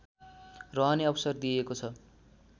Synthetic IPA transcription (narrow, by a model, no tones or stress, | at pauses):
rʌɦʌneʌbʌsʌrd̪iekot͡sʰʌ